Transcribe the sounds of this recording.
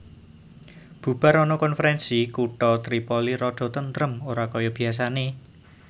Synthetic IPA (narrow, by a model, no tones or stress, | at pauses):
b̥ṳb̥a̤ɾɔnɔkɔnfəɾɛnsikuʈɔt̪ɾipɔliɾɔɖ̥ɔ̤t̪ənt̪ɾəmoɾakɔjɔb̥i̤as̬ane